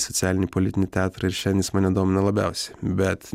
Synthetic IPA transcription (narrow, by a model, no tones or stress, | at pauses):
sɔt̪sʲæːlʲɪnʲiːpolʲɪt̪ʲɪnʲit̪ʲæːt̪ɾɐɪɾʃʲɛnʲd̪ʲiːsmɑːnʲɛd̪oːmʲɪnɐlˠɐbʲæ̰ˑʊsʲɛbʲɛt̪